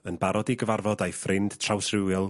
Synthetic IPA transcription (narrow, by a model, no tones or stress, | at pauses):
ənbaɾɔdiɡəvarvɔdajfrɪnd̥tʰrawsrɪwɪlˠ